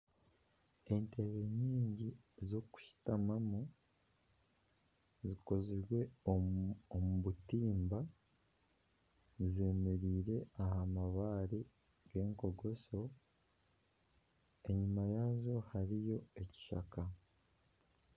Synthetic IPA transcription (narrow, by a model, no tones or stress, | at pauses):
ente̞βeɲiːɲɟi | zo̞ku̥ʃi̥tamamu | ziko̞ziɾwe̞ | omuβutiːmba | zemeɾiːɾe̞ahamaβaːɾi | ɡ̥e̞ːŋko̞ɡo̞so̞ | e̞ɲumajazo̞haɾijo̞e̞ci̥ʃa̰ka